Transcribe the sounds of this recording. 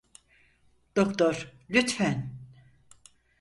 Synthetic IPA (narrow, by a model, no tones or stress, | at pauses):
d̪̥okt̪ʰoɾlʲyt̪fæn